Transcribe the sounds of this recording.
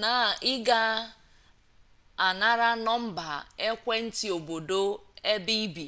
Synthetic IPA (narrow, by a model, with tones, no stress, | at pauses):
na˨ɪ˦ɡa˦ | a˨na˦ɾa˦nɔ˦m̩˦ba˨e˦kʷe˦n̩˦tɪ˨o˨bo˨do˦e˦bi˦bi˨